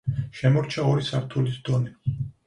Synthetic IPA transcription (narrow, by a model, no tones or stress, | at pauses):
ʃɛmɔɾt͡ʃʰaɔɾisaɾt̪ʰulisd̪ɔni